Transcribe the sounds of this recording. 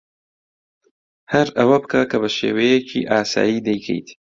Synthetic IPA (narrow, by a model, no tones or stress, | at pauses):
hɐɾɐwɐbɨkakɐβɐʃḛːwejet͡ʃʰḭːʔaːsa̰ːjiːd̪ɐjkʰḛjt̪ʰ